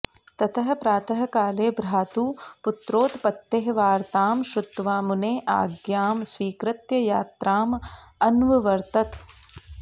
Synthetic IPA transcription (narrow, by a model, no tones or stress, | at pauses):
t̪ɐt̪ʰɐɦɐ̆pɾaːt̪ɐɦɐ̆kaːleːbɾaːt̪uːput̪ɾoːt̪pɐt̪ːeɦʋaːɾt̪aːmʃɾut̪ːʋaːmuneːʔa̰ːɡjaːmsʋiːkɾɪt̪jɐjaːt̪ɾaːmɐnʋɐʋɐɾt̪ɐt̪